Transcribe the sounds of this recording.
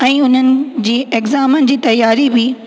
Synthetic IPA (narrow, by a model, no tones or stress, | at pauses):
ɛ̃ːʊn̤ənɪ̆d͡ʑiːʔekzaːmənɪ̆d͡ʑiːt̪ɐjːaːɾibɪ